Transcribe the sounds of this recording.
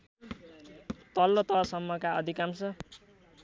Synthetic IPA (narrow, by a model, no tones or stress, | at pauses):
t̪ʌlːʌt̪ʌsʌmːʌkaʌd̪ʱikamsʌ